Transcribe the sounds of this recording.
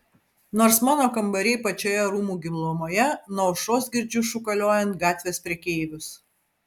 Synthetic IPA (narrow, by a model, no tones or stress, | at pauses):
noːɾsmɑːnoːkɐmbɐɾʲɛɪpɐt͡ʃʲoːjɛɾuːmuːɡʲɪmlˠoːmoːjɛnɐʊʃoːsɡʲɪɾʲd͡ʒʲʊʃʊkɐlʲoːjɛnt̪̚ɡɑːt̪ʲʋʲeːspʲɾʲɛkʲeːʋʲʊs